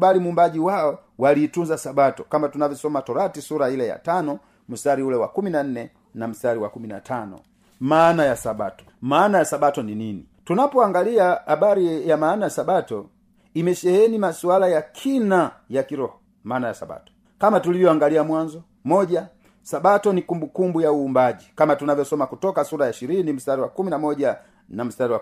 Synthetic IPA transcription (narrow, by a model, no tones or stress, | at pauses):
balimumbaɟiwaɔwaliːtunzasabatɔkambatunavɔsɔmatɔɾatisuɾailaja̰tanɔ | m̩saɾiulɛwa̰kuminan̩nɛ | nam̩saɾiwakumina̰tʰanɔ̰ | maːnajasaba̰tɔ̥maːnajasabatɔninini | tunapɔaŋɡaliahabaɾijamaːnajasabatɔ | imɛʃɛhɛnimasualajakʰinajakiɾɔhɔ | maːnaja̰sa̰ba̰tɔ̥ | kamatulivjɔaŋɡaliamwanzɔ | mɔɟa | sabatɔnikumbukumbujauːmbaɟikamatunavjɔsɔmakutɔkasuɾajaʃiɾinim̩saɾiwakuminamɔɟa | nam̩staɾiwa